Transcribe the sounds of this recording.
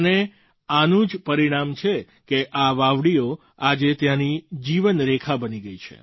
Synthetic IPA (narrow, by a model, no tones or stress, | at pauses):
ne | anũd͡ʒpəɾiɽ̃amt͡ʃʰe | keʔaʋaʋɽio | ad͡ʒet̪janid͡ʒiʋənɾekʰabəniɡəit͡ʃʰḛ